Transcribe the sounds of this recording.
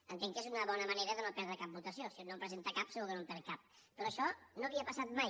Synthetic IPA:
ənt̪eŋkezunəβɔnəməneɾəðənopɛɾðɾəkap̚but̪əsiosionompɾəzent̪əkapsinoðənompɛɾkap̚pəɾɔəʃɔnoəβiəpəsat̪̚maj

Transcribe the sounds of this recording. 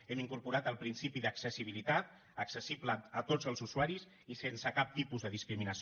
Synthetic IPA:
ɛmiŋkuɾpuɾat̪əlˠpɾinsipiðəksəsiβ̞ilit̪at̪ | əksəsibləːt̪od͡zəlˠzuzuaɾis | isensəkap̚t̪ipuzðəðiskɾiminəs

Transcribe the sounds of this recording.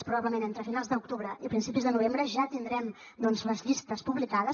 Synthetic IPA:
spɾuβaβləmenent̪ɾəfinalˠzðəuk̚t̪uβɾəʔiəpɾinsipizðənuβembɾəʒat̪ind̪ɾɛm | d̪ɔnzləzʎist̪əspuβlikaðəs

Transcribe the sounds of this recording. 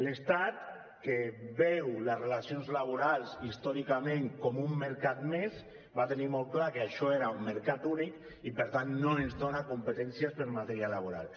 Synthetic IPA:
lest̪at̪ | kebɛwləzrelasionzlaβ̞uɾalˠsist̪ɔɾikamẽŋkomumːeɾkat̪mes | bat̪enimɔlˠklakeaʃɔeɾaumːəɾkat̪unik | ipəɾt̪anːoenzdonakumpət̪ɛnsjaspəɾmat̪eɾjalaβ̞uɾa̰l

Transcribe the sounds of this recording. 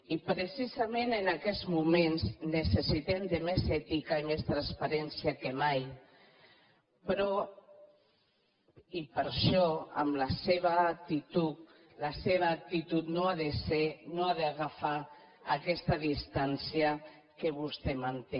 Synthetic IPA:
ipɾesizamẽnenakɛzmumẽnznesesit̪ɛmd̪emezɛt̪ikaimest̪ɾanspaɾɛnsiakemaj | pɾɔ | ipəɾʃɔa̰mlaseβaːk̚t̪it̪ut̪ | laseβ̞aːk̚t̪it̪ut̪noaðesenoaðeaɣafaː | kɛst̪aðist̪ansia | keβust̪ɛmant̪e

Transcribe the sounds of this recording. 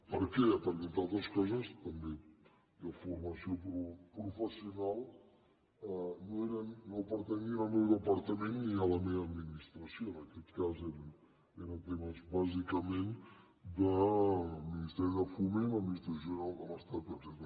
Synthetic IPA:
pəɾkɛpəɾkent̪alˠt̪ɾəskɔzəst̪əmbe | dəfuɾməsiopɾupɾufəsiunalˠ | ənoeɾənopəɾt̪əɲiɾəmɛwðəpɐɾt̪əmenːialəmeəd̪minist̪ɾəsioənəkɛt̪kazeɾən | eɾənt̪eməzbazikəmen | d̪ə | minist̪ɛɾiðəfumenəminist̪ɾəsjonalˠkoməst̪at̪̚pəzɛt̪

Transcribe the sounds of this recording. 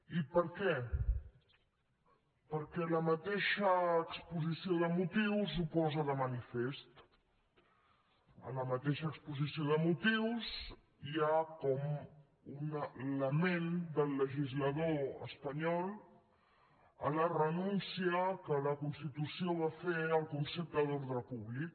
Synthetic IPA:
ipəɾkɛ | pəɾkɛləmət̪eʃəːkspuzisioðəmut̪iwzupɔzəðəmənifest̪ | ə̰ləmət̪eʃəːkspuzisioðəmut̪iwz | iakɔm | unələmend̪əlːəʒizləðoə̰spəɲɔlˠ | ə̰lərənunsiəkələkunst̪it̪usioβ̞afeəlˠkunsep̚d̪əloɾðɾəpuβlik

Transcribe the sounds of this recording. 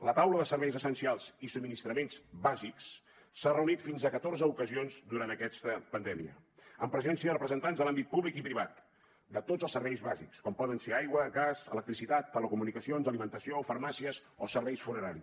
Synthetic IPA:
lət̪awləðəsəɾβɛjzəsənsialˠz̥isub̚minist̪ɾəmenzbaziks | sarəunit̪finzəkət̪orzəukəzionzd̪uɾant̪əkɛst̪əpənd̪ɛmiə̰əmpɾəzɛnsiəðərəpɾəzənt̪anzðəlambit̪̚puβlikipɾiβ̞at̪̚ | d̪ət̪odd͡zəlˠsəɾβɛjzβazikskɔmpɔðənseajɣwəɣazələk̚t̪ɾisit̪at̪ːələkumunikəsionzəlimənt̪əsiofəɾmasiəz | osəɾβɛjsfunəɾaɾi

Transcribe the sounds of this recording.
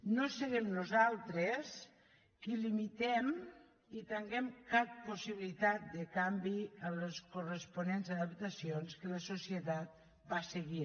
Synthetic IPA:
nosəɣɛmnuzalˠt̪ɾes | kilimit̪ɛm | it̪eŋɡɛmkappusiβilit̪at̪̚d̪əkambiəmləskurəspunenzəðəp̚t̪asionskələsusiət̪at̪̚ | baseɣi

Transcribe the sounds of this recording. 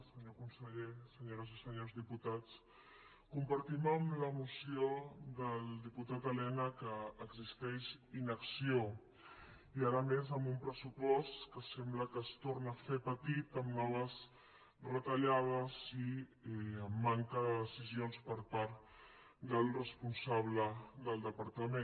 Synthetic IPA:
səɲokunsəʎesəɲoɾəzisəɲozðiput̪at͡s | kumpəɾt̪iməmləmusioðəlˠd̪iput̪at̪əlɛnəkəːɡzist̪ɛʃinəksio | iaɾəmezəmbumpɾəsupɔst̪kəsɛmbləkəst̪oɾnəfepət̪it̪əmnɔβ̞əz | rət̪əʎað̞əzi | əmːaŋkəðəðəsizionspəɾpaɾt̪ | d̪əlˠrəspunsaβləðəlˠd̪əpəɾt̪əme

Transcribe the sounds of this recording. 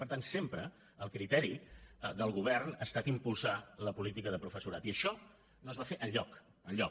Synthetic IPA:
pəɾt̪ansempɾə | əlˠkɾit̪ɛɾid̪əlˠɣ̞uβ̞ɛrnəst̪at̪impulˠsaləpulit̪ikəðəpɾufəsuɾat̪iəʃɔ | noəzβafeʔənʎɔk | ənʎɔ

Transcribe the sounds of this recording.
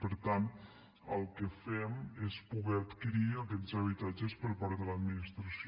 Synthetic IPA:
pəɾt̪an | əlˠkəfɛmespuɣɛət̪kiɾiəkɛzəβit̪ad͡ʒəspəɾpaɾðələd̪minist̪ɾəs

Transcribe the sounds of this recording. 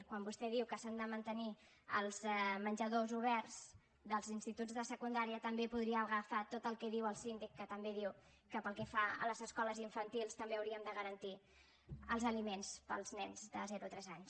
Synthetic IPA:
kwambust̪ɛðiwkəsand̪əmənt̪əni | ə̰lˠzɛmənʲʒəðozuβ̞ɛrz̥ | d̪əlˠzinst̪it̪uzðəsəkund̪aɾiət̪əmbepuðɾiəɣəfat̪ot̪əlˠkɛðiwəlˠsind̪ikːət̪əmbeðiw | kəpəlˠkɛfaə̰ləzəskɔləziɱfənt̪ilˠst̪əmbeəwɾiəmd̪əɣəɾənt̪i | əlˠzəlimenspəlˠznɛnzd̪ə̰zɛɾut̪ɾɛzaɲs

